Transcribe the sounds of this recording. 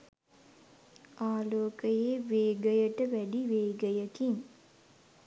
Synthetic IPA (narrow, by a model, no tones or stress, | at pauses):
ʔaːloːkəjeːʋeːɡəjəʈəʋæɖiʋeːɡəjəkiŋ